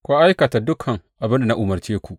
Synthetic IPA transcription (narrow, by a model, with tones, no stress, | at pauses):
kʷoː˦ʔa˦jkɐ˨ta˨dʊ˦kʰɐ˨ŋʔa˨bɪ˦nda˨na˦ʔʊ˨mɐ˨rt͡ʃeː˦kʷu˨ʔ